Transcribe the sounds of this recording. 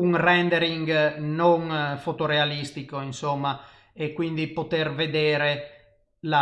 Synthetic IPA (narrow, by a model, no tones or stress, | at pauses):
uŋrɛnd̪eɾiŋɡnoŋfot̪oɾealist̪ikoinsomːa | ekːwind̪ipot̪ɛɾved̪ɛːɾe | la